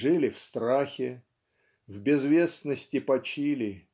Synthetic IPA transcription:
ʐɨlʲɪfst̪ɾaxʲɪ | vbʲɪzvʲe̞snəsʲtʲɪpɐt͡ɕilʲɪ

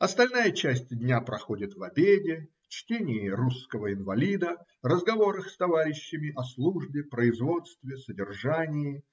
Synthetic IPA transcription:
ɐst̪ɐlʲnajət͡ɕæsʲtʲdʲnʲapɾɐxo̞dʲɪt̪vɐbʲedʲɪ | t͡ɕtʲenʲɪjɪruskəvəɪnvɐlʲid̪ə | rəzɡɐvo̞ɾəxst̪ɐvaɾʲɪɕːɪmʲɪʔɐslˠuʐbʲɪpɾəɪzvo̞t̪st̪vʲɪsədʲɪrʐanʲɪjɪ

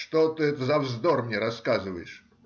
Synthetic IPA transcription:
ʂt̪ɔt̪ɨɛt̪əzɐvzd̪ɔrmnʲɛɾaskazɨvɐjɪʂ

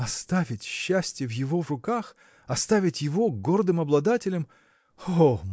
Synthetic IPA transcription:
ɐst̪avʲɪtʲɕːæsʲtʲɪjəvjɪvo̞vrʊkax | ɐst̪avʲɪtʲjɪvo̞ɡo̞rd̪ɨmɐblˠɐd̪atʲɪlʲəm | o

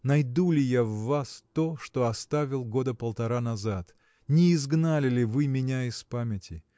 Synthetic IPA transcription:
nɐjd̪ulʲɪjavːast̪o̞ʂt̪o̞ɐst̪avʲɪlˠɡo̞d̪əpəlˠt̪ɐɾanɐzat̪ | nʲɪːzɡnalʲɪlʲɪvɨmʲɪnʲaɪspamʲɪtʲɪ

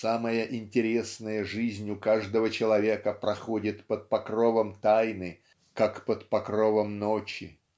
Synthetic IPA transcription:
saməjəʔɪnʲtʲɪɾʲe̞snəjəʐɨzʲnʲʊkaʐd̪əvət͡ɕɪlˠɐvʲe̞kəpɾɐxodʲɪt̪pət̪̚pɐkrovəmt̪ajnɨ | kakpət̪pɐkɾovəmnot͡ɕɪ̰

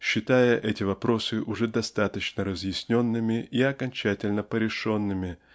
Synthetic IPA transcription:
ɕːɪt̪ajəʔɛtʲɪvɐpɾo̞sɨʔʊʐɛd̪ɐst̪at̪ət͡ɕnəɾəzjɪsʲnʲo̞nːɨmʲɪʔiɐkɐnʲt͡ɕætʲɪlʲnəpəɾʲɪʂo̞nːɨmʲɪ

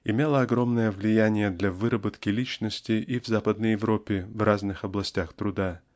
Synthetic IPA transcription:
ɪmʲelˠəɐɡro̞mnəjəvlʲɪjænʲɪjəd̪lʲavɨɾəbət̪kʲɪlʲit͡ɕnəsʲtʲɪʔivzapəd̪nəjɪvɾo̞pʲːɪvraznɨxɐblˠɐsʲtʲaxt̪ɾʊd̪a

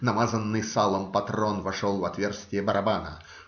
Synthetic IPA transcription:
nɐmazənːɨjsalˠəmpɐt̪ɾonvɐʂolˠvɐt̪vʲerst̪ʲɪjəbəɾʔɐbanə̰

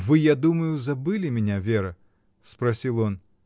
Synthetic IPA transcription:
vɨjad̪umɐjuzabɨlʲimʲɛnʲavʲɛɾɐ | spɾasʲilˠjɔn

